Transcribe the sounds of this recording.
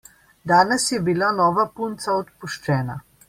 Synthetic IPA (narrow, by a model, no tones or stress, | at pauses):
d̪aːnɛsjɛbilanɔːʋapunt̪saɔt̪puʃt͡ʃɛːna